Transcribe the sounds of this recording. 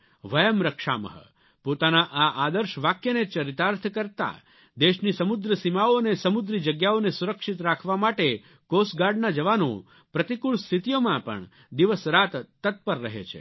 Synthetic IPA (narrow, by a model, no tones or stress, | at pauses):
ʋəjəmɾəkʃa̰mə̰ɦə̰ | pot̪anaʔaʔad̪əɾʃʋakjənet͡ʃəɾit̪aɾt̪ʰkəɾt̪a̰ | d̪eʃnisəmʊd̪ɾəsimaoənesəmʊd̪ɾid͡ʒəɡjaonesuɾəkʃit̪ɾakʰʋamaʈe | kosɡaɾɖnad͡ʒəʋano̰ | pɾət̪ikuɭst̪ʰit̪ijomãpə̰ɳ | d̪iʋəsɾat̪ːət̪̚pəɾːəɦḛt͡ʃʰḛ